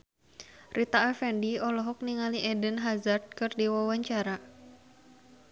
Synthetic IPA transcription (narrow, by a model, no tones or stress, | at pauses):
rʔit̪aːfɛndiɔlɔɦɔk̚niŋaliʔɛdənɦazard̪̚kɨrdiwawaɲt͡ʃaɾa